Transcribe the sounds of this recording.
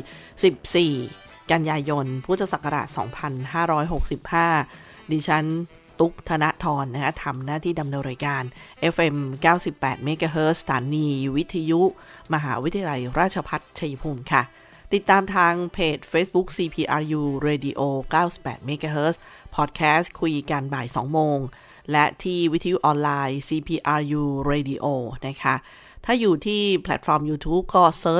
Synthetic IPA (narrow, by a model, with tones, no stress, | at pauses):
si˨˩p̚siː˨˩ka˧njaː˧jo˧npʰuː˥˩t̪ʰːa˧sa˨˩kːa˧ɾa̰˨˩sɔ̰ː˩˦ŋpʰa˧nɦaː˥˩ɾɔː˦˥jɦo˨˩k̚si˨˩p̚haː˥˩ | diː˧t͡ɕʰa˦˥n | t̪u˦˥k̚t̪ʰa˧na˦˥ʔt̪ʰɔː˧nːa˦˥kʰa˦˥t̪ʰa˧mnaː˥˩t̪ʰiː˥˩da˧mnɤː˧nɾaː˧jkaː˧nʔe˦˥fʔe˧mkaː˥˩wsi˨˩pːɛː˨˩t̪̚meː˦˥kaː˧ɦɤː˦˥ssḁ˧t̪ʰaː˩˦nːiː˧wi˦˥t̪ʰːa˧ju˦˥ʔ | ma˧ɦa̰ː˩˦w̪ʰa˧ja˧la˧jɾaː˥˩t̪̚t͡ɕʰa˧pʰa˦˥t̪̚t͡ɕʰa˧ji˧pʰuː˧˩mkʰa˥˩ | t̪i˨˩t̪ːaː˧mt̪ʰaː˧ŋpʰeː˨˩t̪̚feː˦˥bu˦˥k̚siː˧pʰiː˧ʔaː˧juː˧ɾeː˧di˧ʔoː˧kaː˥˩wsi˨˩pːɛ̰ː˨˩t̪̚meː˦˥kaː˧ɦɤː˦˥s | pʰɔː˨˩t̪̚kʰɛː˦˥skʰu˧jka˧nbaː˨˩jsɔ̰ː˩˦ŋmoː˧ŋ | lɛ˦˥ʔt̪ʰiː˥˩wi˦˥t̪ʰːa˧ju˦˥ʔɔː˧nlaː˧jsiː˧pʰiː˧ʔaː˧juː˧ɾeː˧di˧ʔoː˧na˦˥kʰa˦˥ʔ | t̪ʰaː˥˩juː˨˩t̪ʰiː˥˩pʰlɛ̰˨˩t̪̚fɔː˧mjuː˧t̪ʰuː˦˥p̚kɔː˥˩sɤː˦˥